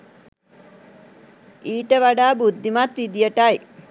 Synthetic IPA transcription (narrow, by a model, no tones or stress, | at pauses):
iːʈəʋaɖaːbud̪ʱːimat̪ʋid̪ijəʈaj